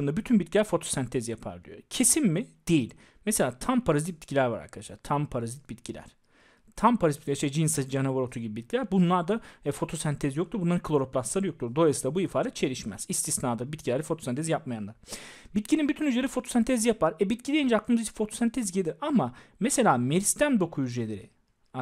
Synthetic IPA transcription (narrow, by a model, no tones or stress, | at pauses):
ɯnd̪abyt̪ʰynbit̪cʰilʲæɾfo̞t̪ʰo̥sænt̪ʰɛzjapʰa̰ɾd̪y̰jo̰cʰe̞simmɪd̪̥e̞jilʲ | mese̞lʲaːt̪ʰampʰaɾazit̪̚bit̪cʰilʲæɾva̰ɾa̰ɾkʰad̪aʃlˠa̰ɾt̪ʰampʰaɾazit̪̚bit̪cʰilʲæ̰ɾ̥ | t̪ʰampʰaɾazit̪̚i̥cʲlʲæɾʃejd͡ʒinsad͡ʒnavaɾot̪ʰuɟibibit̪cʰilʲæɾbunlˠaɾd̪aɛfo̞t̪ʰo̞sænt̪ʰezijo̞k̚t̪ʰuɾbunˠaɾɯnklˠo̞ɾopʰlˠaslˠaɾɯjot̪uɾd̪o̞ajsɯd̪abuifaːd̪ʲɛt̪̚t͡ʃʰe̞ɾiʃmɛ̰z̥ist̪ʰisnaːd̪abit̪cʰilʲæɾd̪ɛfo̞t̪ʰosænt̪ʰezijap̚majanˠaɾbit̪̚cʰininbyt̪ʰynyzleɾifo̞t̪ʰo̞sænt̪ʰezijapaɾɛbit̪̚cʰid̪ejind͡ʒɛaklˠɯmɯzit͡ʃʰi̥fo̞t̪ʰosænt̪ʰɛzɟelʲiɾamamese̞lʲaːmeɾist̪ʰænd̪o̞kʰujyzelʲeɾɪ̰